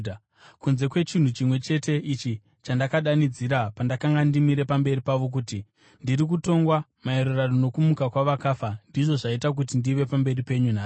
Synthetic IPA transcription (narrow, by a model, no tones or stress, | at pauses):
kunze̞kwe̞t͡ʃin̤ut͡ʃimwe̞t͡ʃe̞te̞ʔit͡ʃi | t͡ʃandakaɗanid͡ziɾapandakaŋɡandimiɾe̞pambe̞ɾipaʋo̞k̬uːti | ndiɾik̬uto̞ŋɡwamaeɾuraɗono̞kumukakwaʋakaːfandiʐo̞ʐaitak̬ut̬indiʋe̞pambe̞ripe̞ɲunaː